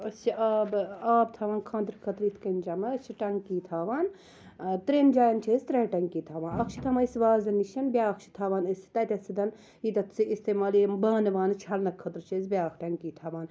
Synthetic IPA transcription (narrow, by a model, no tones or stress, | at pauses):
ɐst͡ʃʰiaːbaːbt̪ʰaːʋaːnkʰãːnd̪ɾkʰɐt̪ɾiːt̪ʰkɐnd͡ʒɐmɐt͡ʃʰiʈɐŋkiːt̪ʰaːʋaːn | t̪ɾeːnd͡ʒaːjɐnt͡ʃʰeːzt̪ɾeːʈɐŋkiːt̪ʰaːʋaːnɐkt͡ʃʰi̥t̪ʰɐmɐisʋaːzɐnːiʃɐnbʲjaːkt͡ʃʰi̥t̪ʰaːʋaːnɐsi̥t̪ɐt̪ʲɐsid̪ɐn | it̪ɐt̪t͡siist̪eːmaːlibaːnʋaːnɨt͡ʃʰɐlnɐkʰːɐt̪ɾt͡ʃʰeːsbʲaːkʰʈɐŋkiːt̪ʰaʋaːn